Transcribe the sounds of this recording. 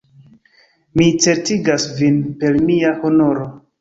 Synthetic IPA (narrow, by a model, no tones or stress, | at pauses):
mit͡se̞ɾtiɡasvinpe̞lmiaho̞no̞ɾo̞